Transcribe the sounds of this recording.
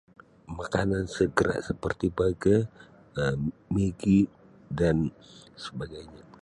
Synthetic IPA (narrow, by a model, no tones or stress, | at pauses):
makanansəɡəɾa̰ʔsəpərt̪ibaɡa | meɡi | dan | səbaɡajɲa